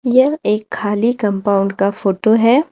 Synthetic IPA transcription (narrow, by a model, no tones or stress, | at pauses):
jɐeːkʰːaːlikɐ̃mpaːʊ̃ɳɖkafoːʈoɦɛː